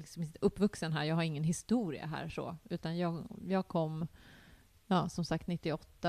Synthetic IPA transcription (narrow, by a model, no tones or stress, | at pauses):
lɪksɔmɪt̪ɵpːvɵksənɦæːɾjɑːɡhaɾɪŋːənɦɪst̪uːɾɪ̰a̰ɦæ̰ːɾʂɔ̰ːʉ̟ːt̪anjɑːɡjɑːɡ̚kʰɔmː | jɑːsɔmsak̚t̪nɪt̪ːɪɔt̪ːa